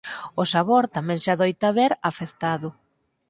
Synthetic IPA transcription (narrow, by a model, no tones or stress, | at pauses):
ʊsaβoɾt̪amɛ̃ŋsaðojt̪aβeɾafeθt̪aðʊ